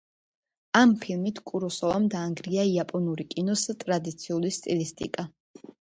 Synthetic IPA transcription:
ampʰilˠmit̪ʰkʼuɾɔsɔvamd̪aːŋɡɾiaiapʼɔnuɾikʼinɔst̪ʼɾad̪it̪sʰiulist̪ʼilist̪ʼḭkʼa

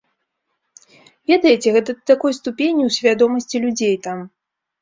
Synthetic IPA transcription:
vʲɛd̪ɐjt͡sʲɛɣɛt̪ɐd̪t̪akɔjst̪upʲenʲːiwsʲvʲad̪ɔmɐsʲt͡sʲilʲud͡zʲejt̪am

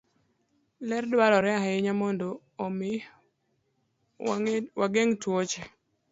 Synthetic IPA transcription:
lɛrdwaɾɔɾɛaɦaɪɲamɔndoː | mɪ | waɡeŋtwot͡ʃɛ

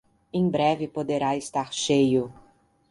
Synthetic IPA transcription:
ẽj̃bɾɛvɪpod̪eɾaest̪aɾʃejʊ

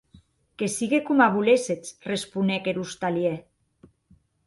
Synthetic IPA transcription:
kesiɣekomaβuleset͡srespunekeɾust̪alje

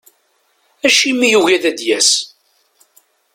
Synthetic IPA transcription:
æʃimːijuwæðæd̪jæs

